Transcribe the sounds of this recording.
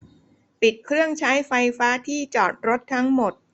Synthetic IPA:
pi˨˩t̪̚kʰɾɯ˥˩əŋt͡ɕʰa˦˥jfa˧jfaː˦˥t̪ʰiː˥˩t͡ɕɔː˨˩t̪̚ɾo˦˥t̪ʰːa˦˥ŋmo˨˩t̪̚

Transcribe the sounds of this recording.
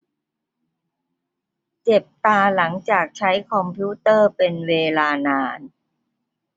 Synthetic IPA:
t͡ɕe˨˩p̚t̪aː˧la˩˦ŋt͡ɕaː˨˩k̚t͡ɕʰa˦˥jkʰɔ˧mpʰu˦˥t̪ɤː˥˩pe˧nweː˧laː˧naː˧˥n

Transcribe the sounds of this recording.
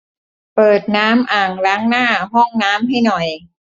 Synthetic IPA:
pɤː˨˩t̪̚naː˦˥mʔaː˨˩ŋɾaː˦˥ŋnaː˥˩ɦɔ˥˩ŋnaː˦˥mɦa˥˩jnɔ˨˩j

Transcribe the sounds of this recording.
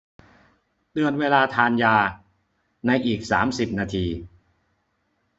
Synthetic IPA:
d̪ɯ˧ənweː˧laː˧t̪ʰaː˧njaː˧ | na˧jʔiː˨˩k̚sa̰ː˩˦msi˨˩p̚naː˧t̪ʰiː˧

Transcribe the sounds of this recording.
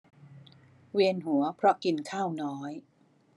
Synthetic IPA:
wi˧ənɦu˩˦ɐpʰɾɔ˦˥ki˧nkʰaː˥˩wnɔː˦˥j

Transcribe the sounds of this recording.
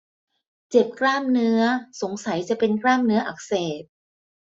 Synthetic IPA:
t͡ɕe˨˩p̚klaː˥˩mnɯ˦˥ɐso˩˦ŋsa˨˩˦jt͡ɕa˨˩pe˧nklaː˥˩mnɯ˦˥ɐʔa˨˩k̚seː˨˩t̪̚

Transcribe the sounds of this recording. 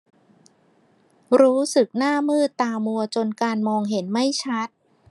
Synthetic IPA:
ɾuː˦˥sɯ˨˩k̚naː˥˩mɯː˥˩t̪ːaː˧mu˧ɐt͡ɕo˧nkaː˧nmɔː˧ŋɦe˩˦nma˥˩jt͡ɕʰa˦˥t̪̚

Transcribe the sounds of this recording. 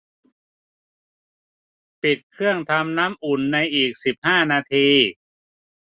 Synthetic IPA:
t̪i˨˩t̪̚kʰɯ˥˩əŋt̪ʰa˧mnaː˦˥mʔu˨˩nːa˧jʔiː˨˩k̚si˨˩p̚haː˥˩naː˧t̪ʰiː˧

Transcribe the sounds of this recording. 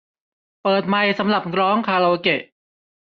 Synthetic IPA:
pɤː˨˩t̪̚ma˧jsa˧˦mɾa˨˩p̚kɾɔː˦˥ŋkʰaː˧lo˧wke˨˩ʔ

